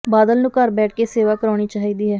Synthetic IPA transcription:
baːd̪əlnũːkəɾbɛːʈʰkeːseːʋaːkəɾaːɽ̃iːt͡ʃaːɦiːd̪iːɦɛː

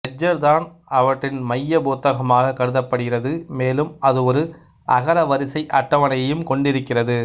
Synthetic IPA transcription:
ɐd͡ʒːɐɾd̪aːn | ɐʋɐʈrɪnmɐjːɐboːt̪ːɐɣɐmaːɣɐkːɐɽɯðɐpːɐɽɯɣɪrɐðɯmeːlɯmɐðɯɔɾɯ | ʔɐɣɐɾɐʋɐɾɪsɐɪʔɐʈːɐʋɐnɐjɐjɯmkɔɳɖɪɾɯkːɪrɐðɯ

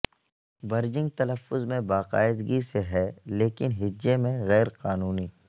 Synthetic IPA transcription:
bɐɾd͡ʒɪ̃ŋɡ̚t̪ɐləfːʊzmẽbaːqa̰ːɪd̪ɡiseɦɛleːkɪnɦɪd͡ʒːemẽɣɛːɾqaːnuːniː

